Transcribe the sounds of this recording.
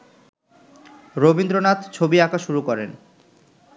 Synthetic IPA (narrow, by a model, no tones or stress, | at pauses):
ɾobind̪ɾonat̪t͡ɕʰobiakaʃuɾukɔɾen